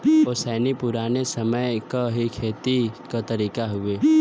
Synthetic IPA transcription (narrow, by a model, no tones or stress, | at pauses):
oːsɛːnipʊɾaːnesɐməjkaɦikʰeːt̪ikat̪ɐɾiːkaɦʊeː